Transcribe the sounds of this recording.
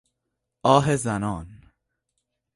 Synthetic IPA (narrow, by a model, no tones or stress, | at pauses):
ʔɒːɦezænɒːn